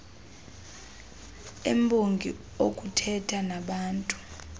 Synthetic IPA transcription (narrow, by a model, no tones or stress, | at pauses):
embʱoŋɡʱi | okʼutʰɛtʰanaɓaːntʼu̥